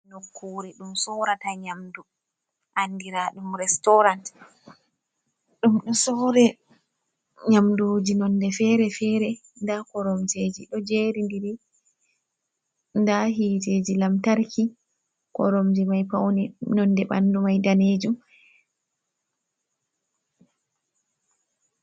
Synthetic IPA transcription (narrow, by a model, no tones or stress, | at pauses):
nokʰːuɾiɗumsɔɾataɲamdu | ʔandiɾaɗumɾɛstɔɾant | ɗumɗɔsɔːɾɛ | ɲamdud͡ʒinɔndɛfɛɾɛfɛɾɛndakɔɾɔmd͡ʒeːd͡ʒiɗɔd͡ʒeːɾindiɾi | ndaɦiːteːd͡ʒilamtaɾkʰi | kɔ̰ɾomd͡ʒimajpawninɔnːdɛɓa̰ndumajdaneːd͡ʒum